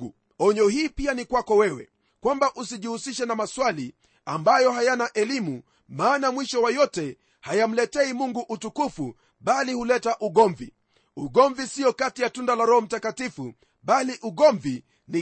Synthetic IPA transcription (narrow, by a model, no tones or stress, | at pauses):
u | ɔɲɔɦiːpianikwakɔwɛwɛ̰ | kwambaʔusiʄihusiʃɛnamaswali | ambajɔɦajanaʔɛlimu | maːnamwiʃɔwajɔtɛ | hajam̩lɛtɛimuŋɡuʔutukufu | ɓalihulɛtaʔuɠɔɱvḭ | uɠɔɱvisiɔkatijatundalaɾɔhɔm̩takatifu | ɓaliʔuɠɔɱvi | ni